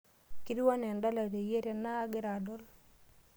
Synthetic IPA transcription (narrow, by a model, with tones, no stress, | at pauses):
ki˦ɾi˦wa˦nɛ˨nda˦la˨ɾe˨je˦ɾe˦na˦ɡɪ˦ɾa˨dɔ˦l